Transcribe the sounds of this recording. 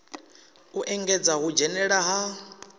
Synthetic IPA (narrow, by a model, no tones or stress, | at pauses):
uʔɛŋɡɛd͡zaɦud͡ʒɛnɛɺaɦa